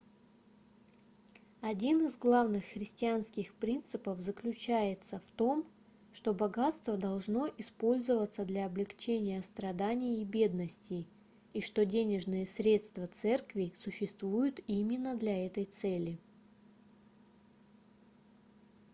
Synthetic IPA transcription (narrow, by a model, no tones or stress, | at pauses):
ɐdʲinɨzɡlˠavnɨxːɾʲɪsʲtʲɪanskʲɪxpɾʲint̪sɨpəvzəklʲʉt͡ɕæjɪt̪səft̪o̞m | ʂt̪o̞bɐɡat̪st̪vəd̪ɐlˠʐno̞ʔɪspo̞lʲzɨvət̪səd̪lʲɐːblʲɪkt͡ɕenʲɪjəst̪ɾɐd̪anʲɪjːbʲe̞d̪nəsʲtʲɪ | iʂt̪o̞dʲenʲɪʐnɨjəsɾʲe̞t̪st̪vət̪sɛrkvʲɪsʊɕːɪst̪vujʊt̪imʲɪnːəd̪lʲɐɛt̪əjt̪sɛlʲɪ